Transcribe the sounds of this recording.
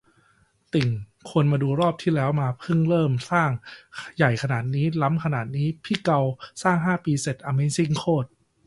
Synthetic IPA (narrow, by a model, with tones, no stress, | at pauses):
t̪i˨˩ŋkʰu˧ənmaː˧duː˧ɾɔː˥˩p̚t̪ʰiː˥˩lɛː˦˥wmaː˧pʰɯ˥˩ŋɾɤː˥˩msaː˥˩ŋja˨˩jkʰa˧naː˨˩t̪̚niː˦˥la˦˥mkʰa˧naː˨˩t̪̚niː˦˥pʰiː˥˩ka˧wsaː˥˩ŋɦaː˥˩piː˧se˨˩t̪̚ʔa˧me˦˥nsi˥˩ŋkʰoː˥˩t̪̚